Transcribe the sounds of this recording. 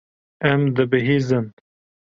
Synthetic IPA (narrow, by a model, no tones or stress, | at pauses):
ɛmd̪ɨbɨɦiːzɨn